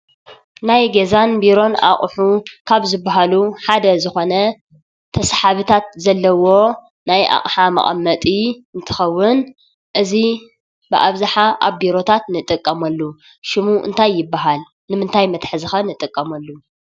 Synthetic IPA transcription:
najɡezanbiɾo̞na̰χʼħukʰaβzɨbaɦaluħad̪ɐzɨxo̞nɐ | t̪ʰɐsħaβɨt̪ʰat̪̚zɐlːɐwo̞ | najʔa̰χʼħamɐ̰χʼɐ̰mːɐt̪ʼiɨnt̪ʰɨ̥xɐwːɨn | ʔɨzi | bɨʔa̰βzaħaʔa̰βbiɾo̞t̪ʰat̪nɨt̪ʼɨkʼːɐmɐlːu | ʃɪmuʔɨ̰nt̪ʰajːɪbːaɦal | nɨmɨnt̪ʰajmɐt̪ħzɨxɐnɨt̪ʼɨkʼːɐmɐlːu

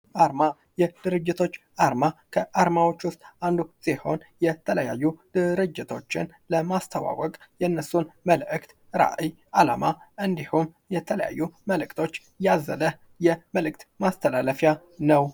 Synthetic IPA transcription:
ʔaɾma | jɛd̪̥ɨɾɨd͡ʒːɪt̪ʰo̞t͡ʃː | ʔaɾmakʰəʔaɾmawo̞t͡ʃːwʊst̪ʼʔand̪usiho̞̰njɛt̪ʰələja̰jːud̪̥ɨɾɨd͡ʒːɪt̪ʰo̞t͡ʃːɪn | ləmast̪ʰəwa̰wɔkʼjɛnːəsːunməlʔɨkt̪ | ɾa̰ʔij | ʔala̰maʔɨnd̪ihum | jɛt̪ʰələja̰jːuməlɨkt̪ʰo̞t͡ʃː | jazːələh | jɛməlɨk̚t̪mast̪ʰəlaləfja | nəw

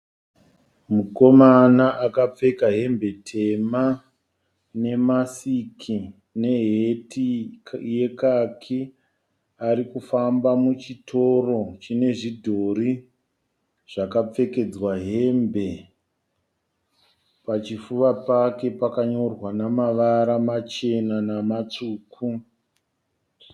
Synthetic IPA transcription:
muko̞manaʔakap͡fe̞kaɦe̞mbe̞tʰe̞ma | ne̞masikʰi | ne̞ɦetije̞kakʰi | aɾikufambamut͡ʃitʰo̞ro̞t͡ʃine̞ʐidʱo̞ri | ʐ̥akap͡fe̞ke̞d͡zwaɦe̞mbe̞ | pat͡ʃifuʋapake̞pakaɲo̞rwanamaʋaɾamat͡ʃe̞nanamat͡ʂuːkʰu

